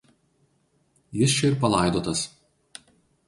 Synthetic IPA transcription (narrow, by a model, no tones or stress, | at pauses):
jɪst͡ʃʲɛɪɾpɐlˠɑˑɪd̪oːt̪ɐs